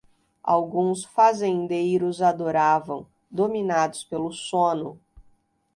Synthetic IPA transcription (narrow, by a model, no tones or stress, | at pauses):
a̰wɡũsfazẽnd̪ejɾʊzad̪oɾavɐ̃w̃ | d̪ominad̪ʊspelʊsõnʊ